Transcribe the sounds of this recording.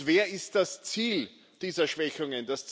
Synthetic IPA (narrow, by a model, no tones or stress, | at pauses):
veːɐɪst̚d̥ast͡siːl | d̥iːzɐʃv̥ɛçʊŋənd̥ast͡s